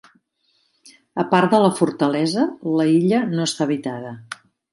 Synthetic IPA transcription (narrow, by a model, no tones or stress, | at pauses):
əpaɾt̪d̪ələfuɾt̪əlɛzələiʎənoəst̪aβit̪aðə